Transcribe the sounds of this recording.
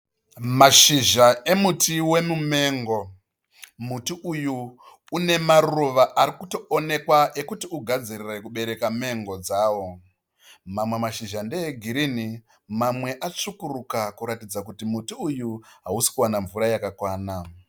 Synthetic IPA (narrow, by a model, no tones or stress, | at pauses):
maʃiʒae̞mutiwe̞mume̞ːŋɡo̞ | mutiʔujuː | ne̞maruʋaʔaɾikuto̞one̞kwaʔe̞kutiuɡʱad͡zirire̞kuɓe̞ɾe̞kame̞ŋɡo̞d͡zaːwo̞ | mamwe̞maʃiʒandeeɡʱiɾini | mamwe̞ʔat͡ʂukurukakuɾatid͡zakutimutiujuɦausi̥kuwanaɱvuɾajakakwaːna